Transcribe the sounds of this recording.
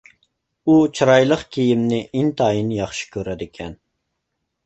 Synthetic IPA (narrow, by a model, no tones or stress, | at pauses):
ut͡ʃʰɨɾɑjlˠəqkʲʰijimnɪʔint̪ʰɑːjinjɑχʃi̥kʲʰøɾɛd̪ɪkʲʰɛn